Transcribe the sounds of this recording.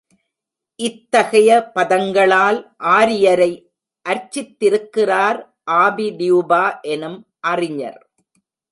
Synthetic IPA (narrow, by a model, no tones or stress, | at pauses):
ʔɪt̪ːɐɣɐjɐpɐðɐŋɡɐɭaːlʔaːɾɪjɐɾɐɪ | ʔɐɾt͡ʃːɪt̪ːɪɾɯkːɪraːɾ | ʔaːbid̪ɪjubaːʔɛnɯm | ʔɐrɪɲɐ̰ɾ